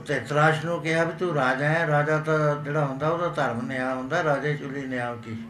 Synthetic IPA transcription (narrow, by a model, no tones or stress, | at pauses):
t̪eːt̪ɾaːʃnũːkɪɦaːbiːt̪uɾaːd͡ʒãːɾaːd͡ʒaːt̪ad͡ʒeːɽaːɦʊ̃nd̪aːoːd̪aːt̪əɾmnejaːɦʊ̃nd̪aːɾaːd͡ʒẽːt͡ʃʊlːiːnɪjaːk̪iː